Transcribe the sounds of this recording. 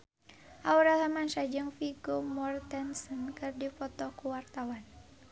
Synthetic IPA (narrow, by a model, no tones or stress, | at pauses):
ʔauɾaɦamansad͡ʒɨŋfiɡɔmɔrt̪ɛnsɔnkɨrdifɔt̪ɔkuwart̪awan